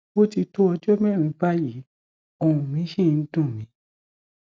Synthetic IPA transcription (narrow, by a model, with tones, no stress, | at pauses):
o˦ti˧to˦ɔ˧d͡ʒɔ˦mɛ̃˦˨ɾ̃ĩ˨˧˦ba˦ji˨˦ | o˧˨ũ˨mĩ˨˦ʃĩ˦˨n̩˦dũ˦˨mĩ˨˦